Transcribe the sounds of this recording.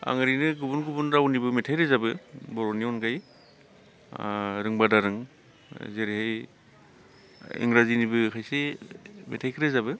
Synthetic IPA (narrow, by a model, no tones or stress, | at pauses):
a̰ŋɯɾinɯɡubunɡubunɾawnibɯmetʰajɾezabɯbɔɾoniɔnɡaj | ɾɯŋbadaɾɯŋ | zeɾihaj | ḭŋɾazinibɯkʰajsemḛtʰajkʰɯɾezabɯ